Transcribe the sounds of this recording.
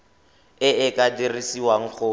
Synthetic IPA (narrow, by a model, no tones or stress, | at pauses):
ɪɪkʼadirisiwaŋ̩k͡xʰʊ